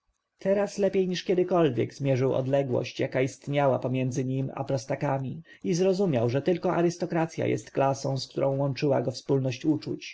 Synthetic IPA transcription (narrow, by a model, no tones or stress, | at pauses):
t̪ʰɛɾaslɛpʲjejɲiʂkʲɛd̪ɘkɔlvʲjɛ̰ɡzmʲjɛʐɘwɔ̰d̪lɛɡwɔ̰ɕt͡ɕjakaist̪ɲawapɔmʲjɛnd̪zɘɲima̰pɾɔst̪akamʲi | izɾɔzumʲjawʐɛt̪ɘlkɔʔaɾɘst̪ɔkɾat̪sʲja̰jɛ̰st̪klasɔ̃w̃skt̪uɾɔ̃w̃wɔnt͡ʂɘwa̰ɡɔfspulnɔɕt͡ɕut͡ʂut͡ɕ